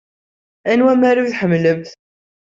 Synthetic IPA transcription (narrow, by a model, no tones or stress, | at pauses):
ænwæmæɾiθħəmːləmθ